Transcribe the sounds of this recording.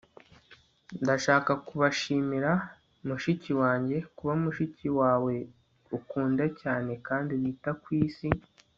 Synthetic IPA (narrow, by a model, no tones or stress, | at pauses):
ndaʃaːkakuβaʃiːmiɾa | muʃiciwaːɲɟe̞kuβaumuʃiciwaːwe̞ | ukuːndacaːne̞kaːndiβiːtakwiːsi